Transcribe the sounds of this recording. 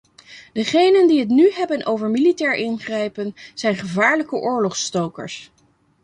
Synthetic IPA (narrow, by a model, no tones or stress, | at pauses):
dəχejnəndiɦətnyɦɛbənʔowvəɹmilitɛːɹʔɪnχrɛjpənz̥ɛjnχəvaːɹləkəʔʊːɹlɔχstowkə̰ɹs